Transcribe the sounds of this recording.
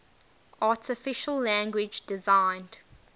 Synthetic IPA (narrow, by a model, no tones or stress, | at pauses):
ʔɑːˑtʰɪfɪʃəlːæ̃ŋɡwɪd͡ʒdɪzãɪ̃nd̥